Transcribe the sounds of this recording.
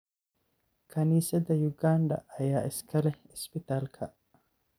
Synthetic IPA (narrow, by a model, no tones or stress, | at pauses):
kʰɐniːsɛd̪ɐjʊɡaːnd̪ɐ̰ʔɐjaːʔɪskʰɐlɛɪspɪt̪alkʰɐʔ